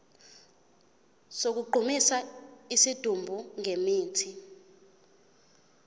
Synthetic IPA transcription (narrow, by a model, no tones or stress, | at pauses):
sok̬uɡ͡ǃʱumisaisid̥ʱumbʱuŋʱemiːtʰi